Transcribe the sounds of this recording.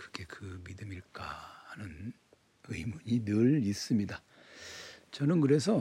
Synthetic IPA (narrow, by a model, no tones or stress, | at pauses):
kɯ̥ɡe̞kɯmidɯmiɭk͈a̰hanɯn | ɯjmuɲinɯɭis͈ɯmɲida | t͡ɕʌnɯnkɯɾe̞s̬ʰʌ